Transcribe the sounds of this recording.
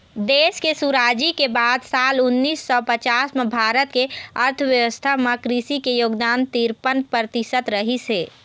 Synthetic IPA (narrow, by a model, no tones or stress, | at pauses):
d̪eːskesuɾaːd͡ʒikebaːd̪saːlʊnːiːsːɔpət͡ʃaːsmebʱaːɾət̪keəɾt̪ʰəʋjəʋəst̪ʰaməkɾisikejoːɡd̪aːnt̪iɾpənpɾət̪isət̪ɾəɦiseː